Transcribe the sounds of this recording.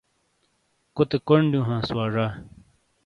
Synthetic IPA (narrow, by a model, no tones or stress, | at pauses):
kot̪ekoɳɖjũːɦãːswaːʐaː